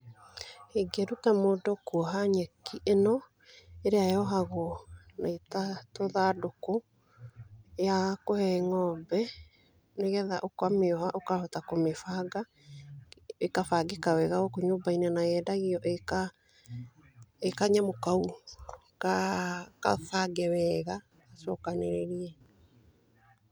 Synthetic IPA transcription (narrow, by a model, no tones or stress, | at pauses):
heɡeɾutamoːdokɔɦaɲɛkiʔenɔ | eɾeajɔɦaɣonaitatoðadoko | jakohɛŋɔbɛ | neɣɛðaʔokwameɔɦaʔokahɔtakomefaɡa | ekafaɡekawɛɣaɣokoɲoːbainɛnaɛːdaɣiɔʔeka | ekaɲamokau | kakafaɡɛwɛɣa | asɔkaneɾeɾiɛ